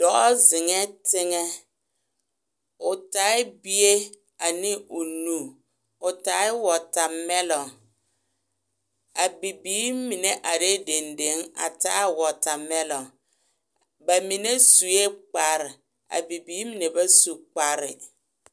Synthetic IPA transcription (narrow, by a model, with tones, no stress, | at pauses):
d̥ɔ˨˦ɔ˦zɪ˨ŋɛ˦tɪ˦ŋɛ˦ | ʊ˨ta˨˦ɪ˦bi˦e˦ | a˨nɪ˦ʊ˨nu˦˨ | ʊ˨ta˨˦ɪ˦wɔ˨ta˨mɛ˦lɔ˨ | a˨bi˨biː˨˦mi˨ne˦ʔa˨ɾe˦de˨nde˨˦ŋa̰˨ta˦wɔ˨ta˨mɛ˦lɔ˨ | ba˨mi˨ne˦su˨e˦k͡pa˨ɾɪ˨ | a̰˨bi˨biː˨˦mi˨ne˨ba˦su˨k͡pa˨ɾɪ̰˨